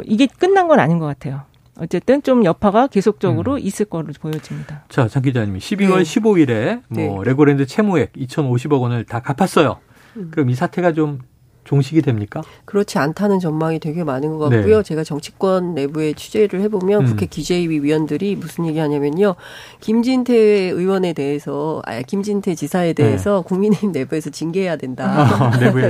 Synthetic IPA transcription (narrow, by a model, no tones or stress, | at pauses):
ʔiɡe̞k͈ɯnːanɡʌnaɲinɡʌk͈atʰe̞jo | ʌt͡ɕ͈e̞t͈ɯnt͡ɕomjʌpʰaɡake̞sʰok̚t͡ɕ͈ʌɡɯɾoʔis͈ɯɭk͈ʌɾɯpojʌd͡ʑimɲidat͡ɕat͡ɕʰaŋɡid͡ʑaɲimiɕʰibiwʌɭɕʰiboiɾe̞mʌɾe̞ɡoɾendɯt͡ɕʰe̞mue̞k̚it͡ɕʰʌnoɕ̬ʰibʌɡʌnɯɭtakapʰas͈ʌjo | kɯɾʌmisʰatʰe̞ɡat͡ɕom | t͡ɕoŋɕʰiɡidwe̞mɲik͈akɯɾʌt͡ɕʰiantʰanɯnt͡ɕʌmmaŋitwe̞ɡemanɯnɡʌɡankujot͡ɕe̞ɡat͡ɕʌŋt͡ɕʰi̥k͈wʌnːe̞bue̞t͡ɕʰud͡ʑe̞ɾɯɭhe̞bomjʌnkukʰe̞kjud͡ʑeiɥiɥiwʌndɯɾimusʰɯnjeɡihaɲamjʌnɲo | kimd͡ʑintʰe̞ɯiwʌne̞de̞ɦesʰʌa̰kimd͡ʑintʰe̞t͡ɕisʰae̞de̞ɦesʰʌkuŋmineimne̞bue̞sʰʌt͡ɕinɡeɦe̞jadwe̞ndanebue